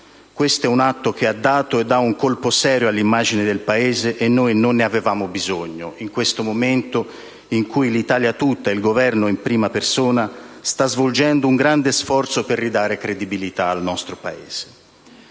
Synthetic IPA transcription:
kwest̪oɛunat̪ːokead̪ːaːt̪oed̪ːauŋkolposɛːɾjoalːimːaːd͡ʒinɪd̪elpaeːzeʔːnːojnonːeavevaːmobizoɲːoiŋkwest̪omoment̪o | iŋkujlit̪aːljat̪ut̪ːailɡovɛrnoimpɾiːmapersoːnast̪azvold͡ʒɛnd̪ouŋɡɾand̪esfɔrt̪soperːid̪aːɾekɾed̪ibilit̪aːlnɔst̪ɾopaeːz̥e̥

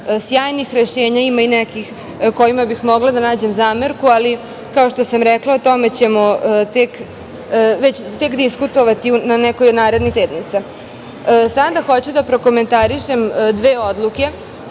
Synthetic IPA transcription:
sjaːjnixɾeʃeːɲaimainɛkix | ko̞jimabixmo̞ɡlad̪anaːd͡ʑe̞mzaːmeɾkuali | kao̞ʃt̪osamɾɛklˠaot̪o̞me̞t͡ɕe̞mo̞t̪ek | ʋet͡ɕt̪ekd̪iskut̪o̞ʋat̪iunanɛkojnaːɾe̞d̪nixseːd̪nit̪sa | sad̪axo̞t͡ɕud̪apɾo̞ko̞me̞nt̪aɾiʃemd̪ʋeːo̞d̪lˠuke̞

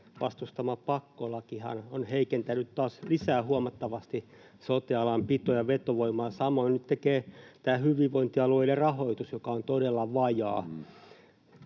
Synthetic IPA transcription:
ʋɑ̰st̪ust̪ɑmɑpɑkːolɑkihɑ̰nonheikent̪ænyt̪toɑːslisæːhuɑmɑt̪ːɑʋɑst̪i | sot̪iɑlɑmpit̪ojɑʋet̪oʋoimɑːsɑmoinnyt̪t̪ekeːt̪æːhyʋiʋʋoint̪iɑlueilerɑhoit̪usjokɑont̪odelːɑʋɑjɑː

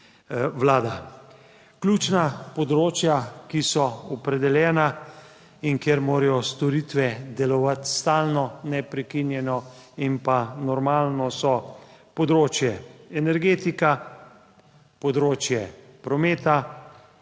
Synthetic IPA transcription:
ʋlaːd̪a | klʲut͡ʃnapɔd̪ɾoːt͡ʃjakisɔɔpɾɛd̪ɛljɛːna | inkjeɾmoːɾɛjɔst̪ɔɾit̪ʋɛd̪ɛlɔʋat̪st̪aːlnɔnɛpɾɛkinjɛnɔimpanɔɾmaːlnɔsɔpɔd̪ɾoːt͡ʃjɛɛnɛɾɡeːt̪ika | pɔd̪ɾoːt͡ʃjɛ | pɾɔmeːt̪a

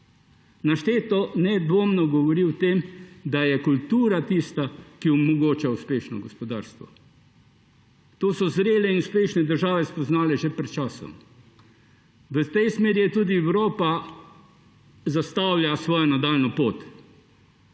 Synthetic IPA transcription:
naʃt̪eːt̪ɔnɛd̪ʋoːmnɔɡɔʋɔɾiwt̪eːmd̪ajɛkult̪uːɾat̪iːst̪akiɔmɔɡoːt͡ʃauspeːʃnɔ̰ɡɔspɔd̪aːɾst̪ʋɔ̰ | t̪oːsɔzɾeːlɛinuspeːʃnɛd̪əɾʒaːʋɛspɔznaːlɛʒɛpɾɛt̪̚t͡ʃaːsɔ̰m | ʋət̪ɛjsmeːɾjɛt̪uːd̪iɛwɾoːpa | zast̪awlʲjasʋɔːjɔnad̪alnɔpoːt̪

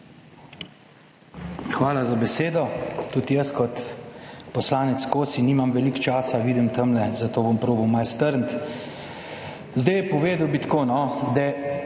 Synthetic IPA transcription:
xʋaːlazabɛseːd̪ɔt̪uːd̪ijəskɔt̪pɔslaːnɛt̪skoːsiniːmamʋɛlikt͡ʃaːsaʋiːd̪imt̪əmlɛzat̪oːbɔmpɾoːbəwmalst̪əɾnt̪ | zd̪əjɛpɔʋeːd̪əwbit̪koːnɔd̪ɛ

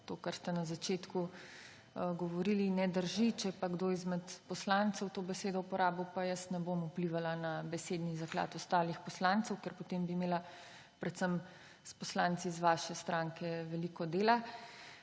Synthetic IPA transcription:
t̪okaɾst̪ɛnazat͡ʃeːt̪ku | ɡɔʋɔɾilinɛd̪əɾʒit͡ʃɛpaɡd̪oːizmɛt̪pɔslant̪sɛwt̪obɛseːd̪ɔupɔɾaːbɔpajəsnɛbomupliʋalanabɛseːd̪nizakla̰ːt̪ɔst̪aːlixpɔslant̪sɛwkɛɾpɔt̪embiːmeːla | pɾɛt̪səm | spɔslaːnt̪sizʋaːʃɛst̪ɾaŋkɛʋɛlikɔd̪eːla

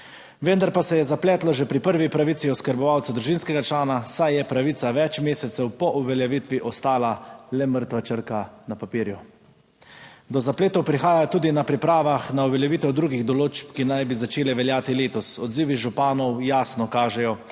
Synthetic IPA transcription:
ʋənd̪aɾpasɛjɛzaplɛːt̪lɔʒɛpɾipəɾʋipɾaʋit̪siɔskəɾbɔʋawt̪sad̪ɾuʒinskɛɡat͡ʃlaːnasajjɛpɾaʋit̪saʋɛt͡ʃmeːsɛt̪sɛwpɔʔuʋɛljɛʋiːt̪ʋiʔɔst̪aːlalɛməɾt̪ʋat͡ʃəɾkanapapiːɾju | d̪ɔzapleːt̪ɔwpɾixaːjat̪uːd̪inapɾipɾaːʋaxnauʋɛljɛʋiːt̪ɛwd̪ɾuːɡiɣd̪ɔloːt͡ʃp̚kinajbizat͡ʃeːlɛʋɛljaːt̪ileːt̪ɔsɔd̪ziːʋiʒupaːnɔwjaːsnɔkaːʒɛjɔ

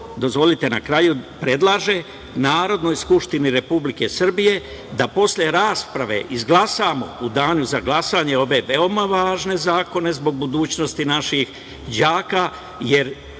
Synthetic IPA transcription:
d̪o̞zʋo̞lit̪e̞nakɾajupɾe̞d̪lˠaʒe̞ | naːɾo̞d̪nojskupʃt̪iniɾe̞publike̞sr̩bije̞ | d̪apo̞slʲeɾaːspɾaʋe̞̰ʔizɡlˠasamo̰ud̪aːnuzaɡlˠasaːɲe̞o̞ʋe̞ʋeo̞maʋaːʒne̞zaːko̞ne̞zbo̞ɡ̚bud̪uːt͡ɕno̞st̪inaʃix | d͡ʑaːka | je̞ɾ

